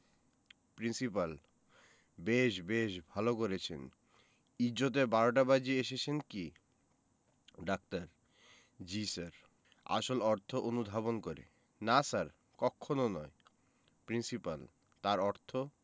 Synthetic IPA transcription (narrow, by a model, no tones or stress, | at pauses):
pɾinsipal | beʃbeʃbʱalok̬oɾet͡ɕʰḛn | id͡ʑot̪̬ebaɾoʈabad͡ʑieʃet͡ɕʰenki | ɖak̚taɾ | d͡ʑisaɾ | a̰ʃolɔɾt̪ʰoʔonud̪ʱabonkoɾḛ | nasaɾ | kɔkʰːononɔe | pɾinsipal | t̪aɾɔɾt̪ʰo